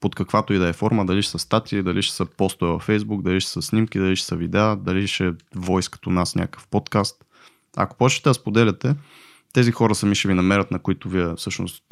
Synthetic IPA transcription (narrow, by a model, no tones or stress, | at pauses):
pot̪kɐkvat̪oid̪ɛɛfɔɾməd̪ɐliʃɛ̥səst̪at̪iid̪ɐlʔiʃɛ̥səpɔst̪ʊɛvɐfɛjzbuk̚d̪ɐliʃɛ̥səsnʲimkid̪ɐliʃɛ̥səvid̪ɛad̪ɐliʃɛvɔjskə̥t̪onasnʲakə̥fpɔt̪kast̪ | ɐ̰ko̥pɔt͡ʃɛ̥t̪ɛɐspod̪ɛlɛt̪ɛ | t̪ɛzixɔɾəsɐmiʃɛvinɐmɛɾət̪nɐkʊit̪ʊviɛfsɤʃno̰st̪